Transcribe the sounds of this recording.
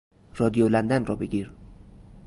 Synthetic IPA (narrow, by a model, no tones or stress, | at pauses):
rɒd̪ijolænd̪ænrɒːbeɡiɾ